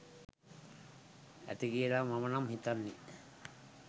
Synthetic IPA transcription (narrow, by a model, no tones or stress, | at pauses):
æ̰t̪iɡielaːmamənamhit̪anːi